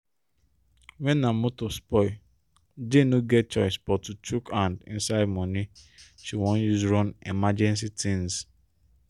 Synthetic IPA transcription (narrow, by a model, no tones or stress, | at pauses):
wɛnːamotospɔɪ | denoɡɛt̚t͡ʃɔɪsbɔtut͡ʃukãndḭ̃n̩saɪd̚mɔniʃiwɔ̃njuzɹɔ̃nḭmad͡ʒɛ̃ns̬itʰĩnz